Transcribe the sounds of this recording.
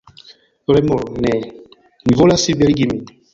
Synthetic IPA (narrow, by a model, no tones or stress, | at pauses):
ɾɛmɔɾnɛ | ŋvolasibɛɾɡimi